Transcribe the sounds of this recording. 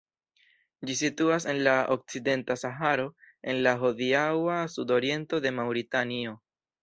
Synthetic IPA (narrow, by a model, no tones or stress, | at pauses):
d͡ʒisituas̬e̞nlaok̚t͡side̞ntasaɦaɾo̞ | e̞nlaɦo̞diawasudo̞ɾie̞nto̞de̞mawɾitanio̞